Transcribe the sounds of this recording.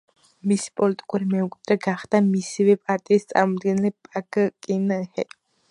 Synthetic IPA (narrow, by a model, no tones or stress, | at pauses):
misi̥pʼɔlit̪ʼi̥kʼuɾimɛkʷʼt̪ʼɾɛɡaχd̪amisivɛpʼaɾt̪ʼiːst̪sʼa̰ɾmɔd̪ɡɛnɛlɛpʼakʼkʼinəhɛ